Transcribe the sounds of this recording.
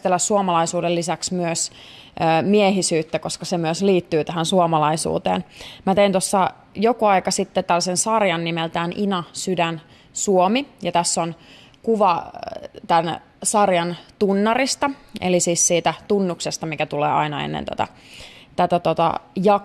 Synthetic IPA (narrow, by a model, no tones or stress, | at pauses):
t̪elːæssuomɑlɑisuːdelːisæksmyøs | øːmieɦisyːt̪ːækoskɑsemyøsliːt̪ːyːt̪æɦænsuomɑlɑisṵːt̪ḛːnmæt̪eint̪osːɑ | jokuɑikɑsit̪ːet̪ælːæsensɑrjɑnːimelt̪æːnʔinɑsydæn | suomijɑt̪æsːon | kuʋɑ | t̪æn | sɑrjɑnt̪unːɑrist̪ɑʔḛlisiːssiːt̪æt̪unːuksest̪ɑmikæt̪ulḛːɑ̰inɑḛnːḛnt̪ot̪ɑ̰ | t̪æt̪æt̪ot̪ɑ̰jɑ